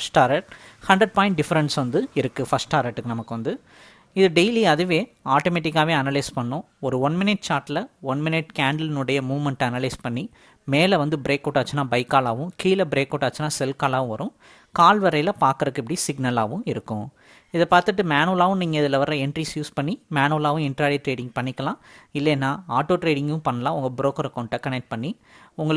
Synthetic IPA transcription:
ɐsʈaːɾɐʈhɐɳɖɾɐɖ̚paːjɪ̃ɳʈ̚ɖɪfɐɾɛnsʋɐnd̪ɯɪɾɯkːɯfɐsʈaːɾɐʈːɯkːɯnɐmɐkːɯʋɐnd̪ɯ | ɪðɯɖeɪliɐðɯʋeːaːʈomeːʈ̬ːɪkːaːʋeːɐnɐlɐɪspɐɳːʊ̃ | ɔɾɯɔnmɪnɪʈ̚t͡ʃaːɾʈlɐɔnmɪnɪʈkaːɳɖɐlɪnɯɽɐjɐmuːʋmɛɳʈɐnɐlɐɪspɐɳːi | meːlɐʋɐnd̪ɯbɪɾeːkːoːʈːaːt͡ʃːɯnaːbɐɪkːaːlaːʋʊ̃kiːlɐbɪɾeːkːɔːʈːaːt͡ʃːɯnːaːsɛlkaːlaːʋʊ̃ʋɐɾʊ̃ | kaːlʋɐɾɐjlɐpaːɾkɐɾɯkːɪpːɐɽisɪɡnɐlaːʋɯ̃ɪɾɯkːʊ̃ | ɪðɐpaːɾt̪ɯʈːɯmaːnuːlaːʋʊ̃niːŋɡɐɪðɪlɐʋɐɾɐ̃ɛɳʈɾisjuːspɐɳːimaːnuːlaːʋʊ̃ɪɳʈɾaːɽiʈɾeːɽɪ̃ŋɡ̚pɐɳːɪkːɐlãːɪlːɛːnːaːaːʈːoːʈɾeːɖɪŋɡɯ̃pɐɳːɐlãːʊŋɡɐbɪɾoːkɐɾɐkoːɳʈːɐkɐnɛk̚ʈ̚pɐɳːi | ʊŋɡɐɭ

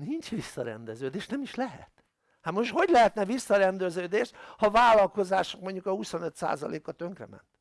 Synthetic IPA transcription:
nint͡ʃʋisːɒɾɛ̰nd̪ɛzøːd̪eːʃnɛmiʃlɛɦɛ̰t̪ | hamoʃt̪ho̞ɟlɛɦɛt̪nɛvisːɒɾɛnd̪øzøːd̪eːʃt̪hɒvaːlːɒlko̞zaːʃo̥kmo̞ɲɟukɒhuso̞nøt̪sa̰ːzɒ̰lḛːkːɒt̪ø̞ŋkrɛ̰mɛ̰nt̪

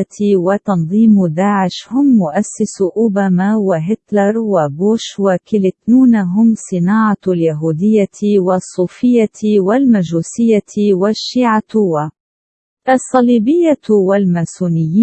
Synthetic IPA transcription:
t̪ɪwat̪ɑnðˤiːmd̪aːʕɪʃhʊmːʊʔasːɪsʔʊbaːmawaɦɪt̪lɑɾˤwabuːʃwakɪlɪt̪nuːnaɦʊmsˤɨnaːʕɑljaɦuːd̪ɪjːawasˤːuːfɪjːawalmaʒuːsɪjːawaʃːiːʕat̪ʊwa | ɑsˤːɑliːbɪjːawalmasuːnɪjːiː

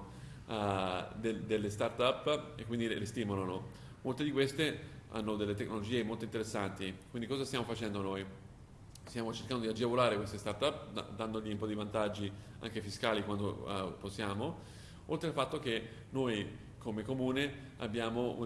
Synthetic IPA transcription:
d̪ed̪elːest̪art̪apːḛkːwind̪ilest̪iːmolano | molt̪ed̪ikwest̪ea̰nːod̪elːet̪ekːnolod͡ʒiːemolt̪oint̪eɾesːant̪ikwind̪ikɔːzast̪jaːmofat͡ʃɛnd̪onoj | st̪jaːmot͡ʃerkand̪od̪iad͡ʒevolaːɾekwest̪est̪art̪ap̪̚ːd̪and̪oʎiumpɔd̪ivant̪ad͡ʒːi | a̰ŋk̟efiskaːlikwand̪o̰posːjaːmo | olt̪ɾealfat̪ːoke | noj | kʰomekomuːne | a̰bjaːmoṵ

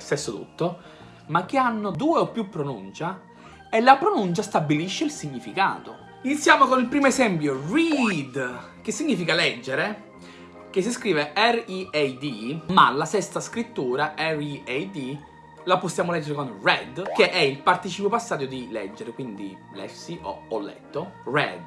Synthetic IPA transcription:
st̪ɛsːot̪ṵt̪ːo | mak̟ːeanːod̪uːeopːjupːɾonunt͡ʃa | elːapɾonunt͡ʃast̪abːiliʃːeilsiɲːifika̰ːt̪o | init̪sːjaːmokonilpɾiːmoezɛmpjorid̪ | k̟esːiɲːiːfikalɛd͡ʒːeɾe | k̟es̬ːiskɾiːveɛriejd̪ima̰lasɛst̪askɾit̪ːuːɾaɛriejd̪i | laposːjaːmolɛd͡ʒːeɾekonrɛd̪keʔɛilpart̪it͡ʃipjopasːaːd̪jod̪ilɛ̰d͡ʒːeɾekwind̪ḭ | lɛ̰fsiʔo̰ɔlːɛ̰t̪ːorɛ̰d̪

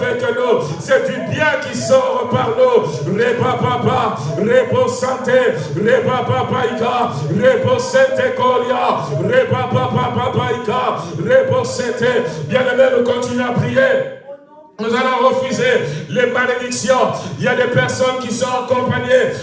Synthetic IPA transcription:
ɛk̪əno | sɛd̪ybjɛ̃kisɔ̃ʁəpaʁlu | lepãpãpa | lepɔõsɑ̃t̪e | lepãpãpaika | ʁepɔ̃sɛ̃t̪ekɔljɑ̃ʁepapãpãpãpaikaʁepɔ̃sɛ̃t̪ebjɛ̃nəmɛnukɔ̃t̪inyapʁije | nũzalɔ̃ʁəfyzelemaled̪iksjɔ̃ijad̪epɛʁsɔnkisɔ̃ãkɔ̃paɲe

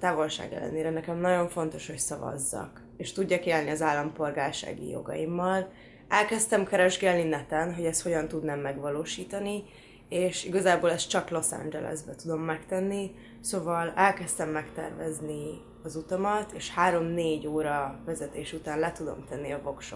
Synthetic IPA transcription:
t̪aːvo̞lʃa̰ːɡɛ̰lːɛ̰neːɾɛnɛkɛmnɒɟo̞ɱfo̞nt̪o̞ʃho̞csɒvɒ̰zːɒ̰k | eːʃt̪uɟːɒkeːlniɒzaːlːɒmpo̞lɡaːrʃa̰ːɡḭjo̞̰ɡɒ̰jimːɒl | ɛlkɛst̪ɛmkɛɾɛʒɡɛlninɛt̪ɛnɦo̞ɟɛst̪ho̞ɟɒnt̪ud̪naːmːɛɡvɒloːʃiːt̪ɒni | eːʃiɡɒzaːboːlɛst̪t͡ʃɒklo̞sa̰nd͡ʒɛ̰lɛ̰zbɛt̪ud̪o̞mːɛkt̪ɛnːi | sovɒlɛlkɛst̪ɛmːɛkt̪ɛ̰rvɛzni | ɒzut̪ɒmɒt̪eːʃhaːɾo̞mneːɟoːɾɒvɛzɛt̪eːʃut̪aːnlɛt̪ud̪o̞̰mt̪ɛnːiɒvo̞kʃop

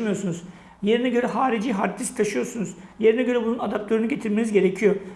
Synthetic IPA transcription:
mijo̞ɾsunuz | je̞ɾinɛɟø̞ɾɛɦaːɾid͡ʒiːɦaɾt̪ʰːist̪ʰaʃɯjoɾsunuz̥je̞ɾinɛɟø̞ɾɛbununad̪ap̚t̪ʰø̞ɾʲynyɟe̞t̪ʰiɾme̞nizɟe̞ɾecʰijo̞

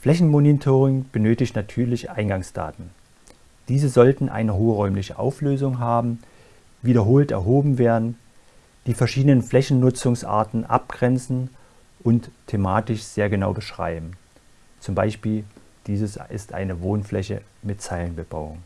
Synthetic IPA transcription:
fl̥ɛçn̩monitʰoːʁɪŋb̥ənøːtɪçtnatʰyːɐlɪçʔaɪnɡaŋsd̥a̰ːtn̩ | d̥iːzəzɔltn̩ʔa̰ɪnəɦoːʁɔʏmlɪçəʔa̰ʊfløːzʊŋɦaːbm̩ | viːɾɐɦoːltɛ̰ɐɦoːbm̩veːɐdn̩ | d̥iːfɛɐʃiːdənənflɛçn̩nʊt͡sʊŋsʔa̰ːɐtn̩ʔa̰p̚ɡ̥ʁɛnt͡sn̩ | ʔʊntʰːemaːtɪʃz̥eːɐɡənaʊbəʃʁ̥a̰ɪbm̩ | t͡sʊmbaɪʃpiːl | d̥iːzəsʔɪ̰stʔa̰ɪnəvoːnflɛçə̰ | mɪtt͡saɪlənbəba̰ʊʊ̰ŋ

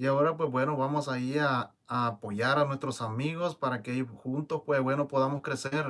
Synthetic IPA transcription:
iao̞ɾap̬wezbwe̞no̞βamo̞saiaː | po̞ʝaɾanwe̞st̪ɾo̞samiɣo̞spaɾakeaixunt̪o̞spwezbwe̞no̞po̞ðamo̞skɾe̞seɾ

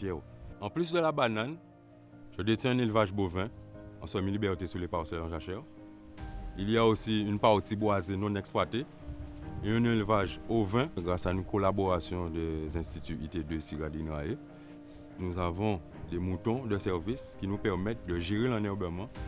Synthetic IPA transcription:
pjɛʁɑ̃plysd̪əlabanan | ʒədetjɛ̃ɛ̃nelvaʒbovɛ̃ɑ̃sɔmilibɛʁtesulepaʁsɛlɑ̃ʒaʃɛʁ | ilijaosiynpaʁt̪ibwazenɔ̃nɛkspwate | ɛ̃nelvaʒovɛ̃ɡʁasaynkolaboʁasjɔ̃d̪ɛzɛ̃st̪it̪yʔited̪øsiɡadinʁae | nuzavɔ̃ | demutɔ̃d̪əsɛʁviskʲinupɛʁmɛt̚d̪əʒeʁelɛ̃nɛʁbəmɑ̃

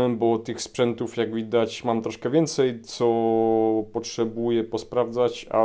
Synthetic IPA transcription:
ɛbɔt̪ɘxspʂɛnt̪ufjaɡvʲid̪at͡ɕmamt̪ɾɔʂkɛvʲjɛnt̪sɛjt̪sɔ | pɔtʂɛbujɛpɔspɾavd̪zat͡ɕa̰

